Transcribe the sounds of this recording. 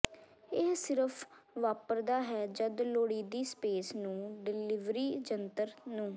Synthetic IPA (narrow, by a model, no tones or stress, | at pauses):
ɪɦsɪɾəpʰʋaːpəɾd̪aːɦɛːd͡ʒəd̪loːɽiːd̪iːspeːsnũːɖɪlɪʋɾiːd͡ʒənt̪əɾnũː